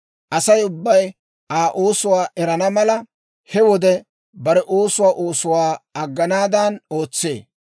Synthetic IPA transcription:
ʔɐsɐjʊbːɐj | ʔaːʔoːsʊwaːʔɛɾɐnɐmɐlɐ | hɛwɔd̪ɛ | bɐɾɛʔo̞ːsʊwaːʔoːsʊwaːɐɡːɐnaːd̪ɐnoːt͡sːḛː

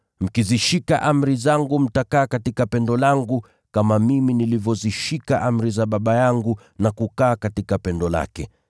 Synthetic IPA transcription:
m̩kiziʃika̰ʔam̩ɾizaŋɡum̩takaːkatikapɛndɔlaŋɡu | kamamiminilivjɔziʃikaʔam̩ɾizaɓaɓajaŋɡu | nakukaːkatikapɛndɔla̰kɛ

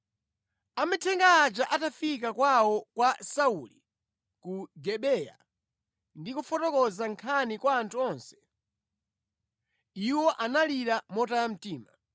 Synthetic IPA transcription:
amɛtʰɛŋɡaːt͡ʃaʔatafikakwawɔkwasauli | kuɡɛɓɛja̰ | ndikufɔtɔkɔzaŋkʰanikwaːntʰuɔnsɛ̥ | iwɔʔanaliɾamɔtawam̩tiːma

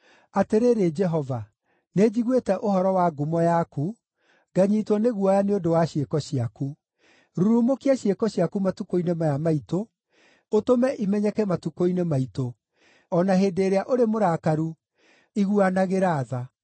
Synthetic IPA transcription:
ateɾeɾed͡ʒɛɦɔva | ned͡ʑiɣwetɛʔoɦɔɾɔwaɡomɔjaku | ɡaɲiːtwɔneɣuɔjaneodowaɕiekɔɕiaku | ɾuɾumokiaɕiekɔɕiakumatukoinemajamaito | otomɛʔimɛɲɛkɛmatukoinemaito | ɔnaɦeːdeːɾeaʔoɾemoɾaːkaɾu | iɣuanaɣeɾaːða

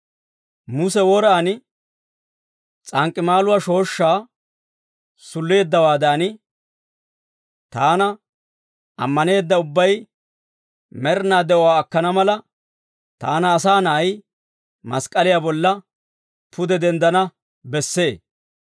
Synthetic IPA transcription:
mʊsɛwɔɾaːnɪ | t͡sʼɐŋkʼːɪmaːlʊwaʃo̞ːʃːaː | sʊlːe̞ːd̪ːɐwaːd̪aːnɪ | t̪aːnɐ | ʔɐ̰mːɐne̞ːd̪ːɐʊbːɐj | mɛɾnaːd̪ɛʔɔwaːkːɐnɐmɐlɐ | t̪a̰ːnɐːsaːnɐʔɐj | mɐskʼɐlɪjaːbɔlːɐ | pʰʊd̪ɛd̪ɛnd̪ɐnɐ | bɛsːe̞ː

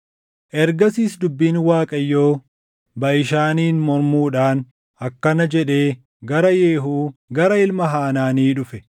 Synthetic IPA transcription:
ʔɛɾɡɐsiːsd̪ʊbːiːnwaːkʼɐjːoː | bɐʔɪʃaːniːnmɔɾmuːᶑaːn | ɐkːɐnɐd͡ʒɛᶑe̞ː | ɡɐɾɐjeːɦuːɡɐɾɐɪlmɐɦaːnaːniːᶑʊfɛ

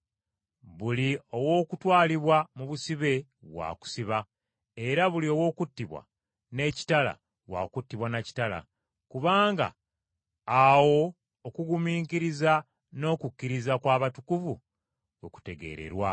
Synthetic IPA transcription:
βulio̞wo̞ːkutwaːliβwamuβusiβe̞βwa̰ːku̥siβa | e̞ɾaβulio̞wo̞ːkutːiβwa̰ | ne̞ːci̥tala̰ | βwa̰kutːiβwanaci̥tala̰ | kuβaːŋɡa̰ː | wo̞ː | kuɡumiːŋkiɾiza | no̞ːkukːiɾizakwaːβatukuvu | oku̥te̞ɡe̞̰ɾe̞̰ɾwa

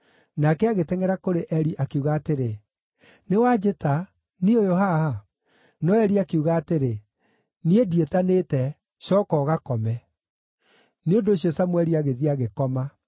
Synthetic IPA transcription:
nakɛaɣetɛŋɛɾakoɾeʔɛɾiʔakeuɣaːteɾe | newad͡ʑeta | niojohaha | nɔɛɾiakeuɣaːteɾe | niedietanetɛ | ɕɔkɔːɣakɔmɛ | neondoɕiɔsamwɛɾiaɣeðiaɣekɔma

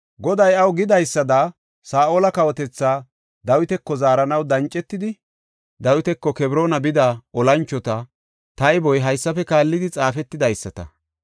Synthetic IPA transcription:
ɡɔd̪ɐjɐwɡɪd̪ɐjsːɐd̪a | saːʔoːlɐkɐwɔt̪ɛt͡sːaː | d̪ɐwɪt̪ɛkːɔzaːɾɐnɐwd̪ɐnt͡ʃʼːɛt̪ːɪd̪ɪ | d̪ɐwɪt̪ɛkːɔkɛbɾo̞ːnɐbɪd̪aɔlɐnt͡ʃːɔt̪ɐ | t̪ɐjbɔjɦɐjsːɐfɛkaːlːɪd̪ɪt͡sʼaːfɛt̪ːɪd̪ɐjsːɐt̪ɐ̰

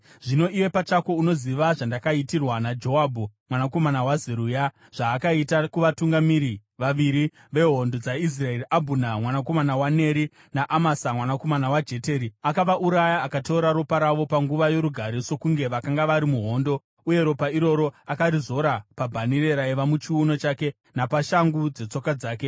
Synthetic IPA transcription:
ʐ̥ino̞iwe̞pat͡ʃako̞uno̞ziʋaʐandakaitirwanad͡ʒo̞abʱumwanako̞manawazeɾuja | ʐ̥aːkaitakuʋatuŋɡamiɾiʋaʋiɾi | ʋe̞ɦo̞ndo̞d͡zais̬rae̞ɾiʔabʱunamwanako̞manawane̞ɾi | naʔamasamwanako̞manawad͡ʒe̞te̞ːɾiakaʋaʔuɾajaːkato̞ːɾaɾopaɾaʋo̞paŋɡuʋajo̞ɾuɡʱaɾiso̞kuŋɡe̞ʋakaŋɡaʋaɾimuɦo̞ːndo̞ | uje̞ɾo̞paiɾo̞ɾo̞akaɾizo̞ɾapabʱanire̞ɾaiʋamut͡ʃiuno̞t͡ʃaːke̞ | napaʃaŋɡud͡ze̞t͡so̞kad͡zaːke

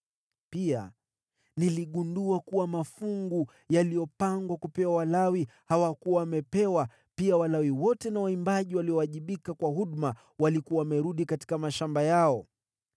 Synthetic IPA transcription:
pia̰ | niliɠunduakuwamafuŋɡu | jalijɔpaŋɡwakupɛwawalawihawakuwawamɛpɛwa | piawalawiwɔtɛnawaimbaʄiwaliɔaʄiɓikakwaɦuɗma | walikuwawamɛɾuɗikati̥kamaʃambajaɔ

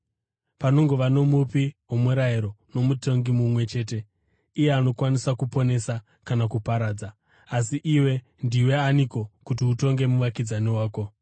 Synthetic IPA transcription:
pano̞ŋɡo̞ʋano̞mupiwumuɾajiɾo̞no̞muto̞ŋɡimumwe̞t͡ʃe̞ːte̞ | ije̞ano̞kwanisakupo̞ne̞sa | kanakupaɾaːd͡zaː | s̬iʔiwe̞ | ndiwe̞aniko̞kutiuto̞ŋɡe̞muʋakid͡zaniwaːko̞

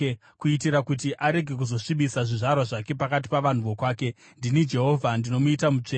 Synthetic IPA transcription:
kuitiɾakutiʔaɾe̞ɡʱe̞k̬uzo̞ʂiɓisaʐiʐarwaʐake̞pakat̬i̥paʋan̤uʋo̞kwaːke̞ | ndinid͡ʒe̞ɦo̞ːvʱandino̞muitamut͡ʂeː

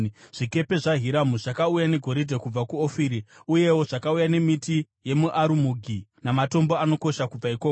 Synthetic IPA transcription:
ʐ̥ike̞pe̞ʐaɦiɾamuʐakaujane̞ɡʱo̞ɾidʱekub͡vakuofiːɾiuje̞wo̞ʐakaujane̞miti | je̞muʔaɾumuɡʱinamato̞mbo̞ano̞ko̞ʃakub͡vaikoko

